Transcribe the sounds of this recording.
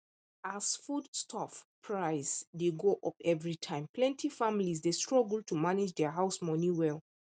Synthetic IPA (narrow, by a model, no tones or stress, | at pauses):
asfudstʰɔfpʰɹaɪsdeɡoʔɔpɛvɹitʰãɪ̃mpʰlɛ̃ntʰifamlizdestɹɔɡəl̩tumanid͡ʒdɛɦaʊsmɔniwɛlˠ